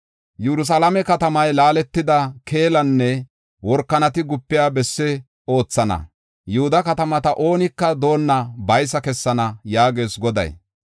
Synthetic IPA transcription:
jɛɾʊs̬ɐːlɐmɛkɐt̪ɐmɐjlaːlɛt̪ːɪd̪ɐkʰe̞ːlɐnːɛ | wɔɾkːɐnɐt̪ɪɡʊpːɪjaːbɛsːɛ | o̞ːt͡sːɐnɐ̰ | jʊhʊd̪ɐkɐt̪ɐmɐt̪ɐʔo̞ːnɪkːɐd̪o̞ːnːɐbɐjs̬ɐkɛsːɐnɐjaːɡe̞ːsɡɔd̪ɐ̰j

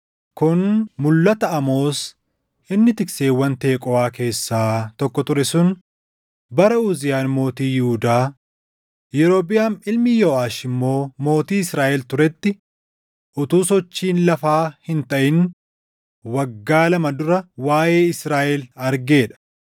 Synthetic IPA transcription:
kʊnmʊlːɐt̪ɐɐmo̞ːs | ʔɪnːɪt̪ɪkseːwːɐnt̪e̞ːkʼɔaːke̞ːsːaːt̪ɔkːɔt̪ʊɾɛsʊn | bɐɾɐʊːzɪjaːnmo̞ːt̪iːjɪhʊd̪aː | jɛɾo̞ːbɪjaːnɪlmɪjoːʔaːʃɪmːo̞ːmo̞ːt̪iːɪsɾaːʔɛlt̪ʊɾɛt̪ːɪ | ʔʊt̪uːsɔt͡ʃːiːnlɐfaːhɪnt̪ɐʔɪn | wɐɡːaːlɐmɐd̪ʊɾɐwaːjeːɪsɾaːʔɛlɐɾɡe̞ːᶑɐ̥

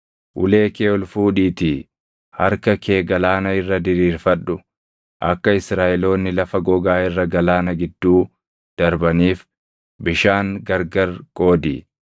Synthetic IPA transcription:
ʔʊle̞ːkeːɔlfuːᶑiːt̪i | hɐɾkɐkʰe̞ːɡɐlaːnɐɪrːɐd̪ɪɾiːɾfɐᶑʊ | ʔɐkːɐɪsɾaːʔɛlo̞ːnːɪlɐfɐɡɔɡaːɪrːɐɡɐlaːnɐɡɪd̪ːuː | d̪̥ɐɾbɐniːf | bɪʃaːŋɡɐɾɡɐɾkʼo̞ːd̪ḭː

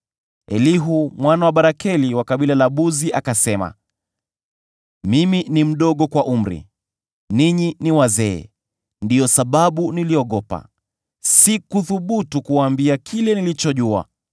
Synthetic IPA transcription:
ɛ̰liɦumwanawaɓaɾakɛliwakaɓilalaɓuziʔakasɛma̰ | miminim̩ɗɔɠɔkwaʔum̩ɾḭ | niɲiniwazɛ̰ː | ndijɔsaɓaɓuniliɔɠɔpa̰ | sikuθuɓutukuwaːmbiakʰilɛnilit͡ʃɔʄua̰

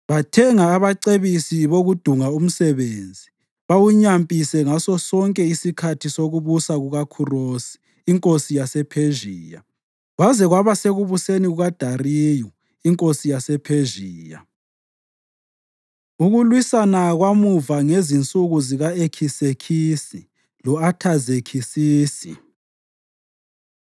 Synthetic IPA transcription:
βatʰɛŋaːβaǀeβisiβoɣud̥ʱuŋaum̩sɛβeːnd͡zʱi | βawuɲampʼisɛŋasɔsɔŋkʼɛisikʰatʰisoɣuβusaɣuɣakʰurosi̥ː | ŋkʼosijasɛpʰeʒiːja̰ | ɣwazɛɣwaβaseɣuβuseniɣuɣad̥ʱariːjɔ | iŋkʼosijasɛpʰeʒiːja̰ | uɣulwisanaɣwamuvaŋezint͡sʼuɣuziɣaekʰisekʰiːsi | lɔatʰazekʰisiːsi

